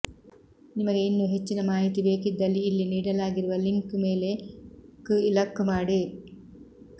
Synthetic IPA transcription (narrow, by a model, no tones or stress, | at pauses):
nimɐɡe̞inːuɦe̞t͡ʃːinɐmaːɦit̪ibe̞ːkid̪ːɐlːiːlːiniːɽɐlaːɡiɾuʋɐliŋkmeːle̞kɨilɐkːmaːɽi